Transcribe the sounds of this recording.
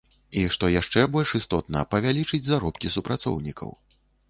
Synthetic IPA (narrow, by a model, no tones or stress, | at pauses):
iʂt̪ɔjaʂt͡ʂɛbɔlʲʂist̪ɔt̪nɐ̰pɐvʲalʲit͡ʂɨd͡zʲzaɾɔpkʲisupɾat̪sɔ̰wnʲikʰɐ̰w